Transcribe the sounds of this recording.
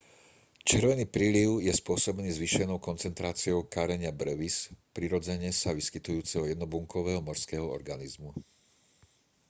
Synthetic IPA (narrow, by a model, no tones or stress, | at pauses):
t͡ʃɪɛɾʋɛniːpɾiliʊjɛspʊɔsɔbniːzʋiʃɛnɔʊkɔnt͡sɛnt̪ɾaːt͡siɔʊkaɾɛɲɪabɾɛʋispɾiɾɔd͡zɛɲɛsaʋiskit̪ujuːt͡sɛɦɔjɛd̪nɔbuŋkɔʋɛːɦɔmɔɾskɛːɦɔɔ̰ɾɡanizmu